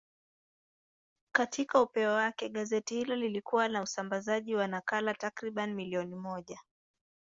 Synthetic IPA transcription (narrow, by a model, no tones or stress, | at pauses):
katʰikaupɛwawakɛɠazɛtihilɔlilikuwanausambazaʄiwanakalatakɾiɓanimiliɔnimɔʄa